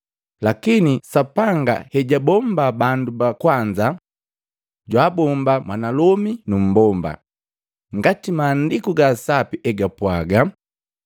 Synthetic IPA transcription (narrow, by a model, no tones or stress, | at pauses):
lakinisapaŋɡa̰hɛɟabɔmbabandubakwaɲd͡ʒa | ɟwaːbɔmbamwanalɔminum̩bɔmba̰ | ŋɡatimaːndikuɡasapiʔɛɡapwaɡa